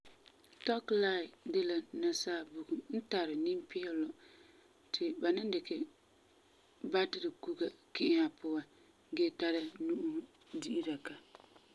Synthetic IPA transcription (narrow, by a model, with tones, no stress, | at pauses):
tɔ˦kla˦˨ɪ˨dɪ˦la˨na˨saː˦˨bu˨ɡu˨mn̩˦ta˨ɾɪ˨ni˦mpɪ˦ɛ˦lɔ˨ | tʰɪ˨ba˨nɪ˦n˦dɪ˨kɪ˨ | ba˦dɪ˦ɾɪ˨ku˦ɡa˨kɪ˦ʔɪ˦a˨pʊ˦wa˦ | ɡɛ˦ta˦ɾɪ˦nu˦ʔu˦ | di˦ʔi˦ɾa˨ka˨